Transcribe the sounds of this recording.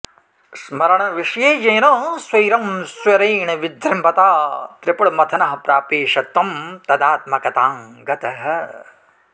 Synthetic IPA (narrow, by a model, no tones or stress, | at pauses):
smɐɾɐɳ̃ɐʋiʂɐjeːjeːnoswɐjɾɐmswɐɾeːɳɐʋid̪ɾimbɐt̪aːt̪ɾɪpɐɽmɐt̪ʰɐnɐɦɐ̆pɾaːpeːʃɐt̪ːɐmt̪ɐd̪aːt̪̚mɐkɐt̪aːŋɡɐt̪ɐɦɐ̆